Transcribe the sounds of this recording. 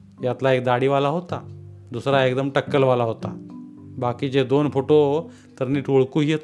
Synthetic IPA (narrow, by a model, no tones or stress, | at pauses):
jat̪laekd̪aɽiːʋalaɦot̪ad̪usɾaekd̪əmʈəkːəlʋalaɦot̪a̰bakiːd͡ʑed̪onfoʈo | t̪əɾniːʈʰoɭkuɦiet̪